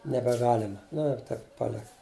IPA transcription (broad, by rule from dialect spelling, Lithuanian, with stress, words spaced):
nʲɛbʲɛˈɡɑːlʲɛmɐ ˈnʊ ɪr ˈtɐɪp pɐˈlʲɪkɐ